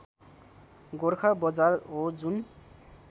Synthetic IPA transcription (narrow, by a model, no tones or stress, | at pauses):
ɡorkʰabʌd͡zarod͡zun